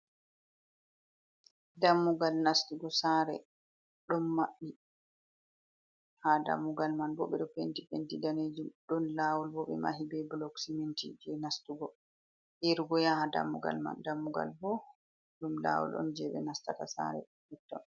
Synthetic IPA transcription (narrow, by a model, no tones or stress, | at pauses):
damːuɡalnastuɡɔsaɾɛ̰ | ɗɔnmaɓːi | hada̰mːuɡalmanbɔ̰ɓɛɗɔpentipentidaned͡ʒumɗɔnlawɔlbɔɓɛ̰ma̰ɦibɛblɔksimintḭd͡ʒɛnastuɡɔ | ʔeɾuɡɔjahada̰mːuɡa̰lma̰ndamːuɡa̰lbɔ | ɗumla̰wɔ̰lɗɔ̰nd͡ʒɛɓɛ̰nastatasa̰ɾɛ̰ | hɛtːɔn